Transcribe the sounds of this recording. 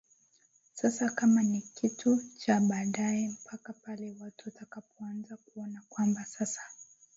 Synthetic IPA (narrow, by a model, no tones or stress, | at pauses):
sasakamanikʰitʰut͡ʃaɓaːɗajɛm̩pʰakapalɛwatuatakapɔanzakuɔnakwambasasḁ